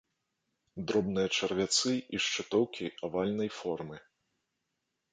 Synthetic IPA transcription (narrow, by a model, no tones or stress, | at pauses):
d̪ɾɔbnɨjɐt͡ʂɐrvʲat̪sɨiʂt͡ʂɨt̪ɔwkʲʰiavalʲnɐjfɔrmɨ